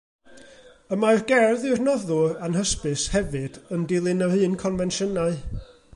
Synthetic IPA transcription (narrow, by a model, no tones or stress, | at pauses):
əmarɡɛrðɨrnɔðʊanhəspɨshɛvɨd̥əndɪlˠɨnahɨːnkʰɔnvɛnʃənaɨ